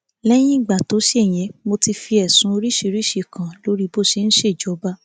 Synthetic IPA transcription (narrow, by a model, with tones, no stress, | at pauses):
lɛ˦j̃ĩ˦i˦˨ɡ͡ba˨to˨˦ʃe˦˨j̃ɛ̃˨˦mo˧ti˧fi˧ɛ˨sũ˨˦o˧ɾi˦ʃi˧˦˧ɾi˦ʃi˦˧˨kã˨lo˨˦ɾi˦bo˦˨ʃe˧ñ̩˦ʃe˦˨d͡ʒɔ˨˦ba˦